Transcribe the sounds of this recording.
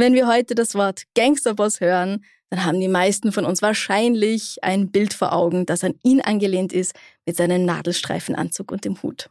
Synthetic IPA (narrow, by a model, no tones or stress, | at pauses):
vɛnviːɐɦɔʏtədasv̥ɔɐtɡ̥aŋstɐbɔshøːʁən | d̥anɦaːbm̩diːmaɪstn̩fɔnʊnsv̥aːɐʃaɪnlɪçʔa̰ɪnbɪltfoːɐʔaʊɡŋ̩d̥asaniːnʔa̰nɡəleːntɪstmɪtz̥aɪnəmna̰ːdl̩ʃtʁ̥a̰ɪfn̩ʔa̰nt͡suːkʊnt̚d̥eːmhṵːt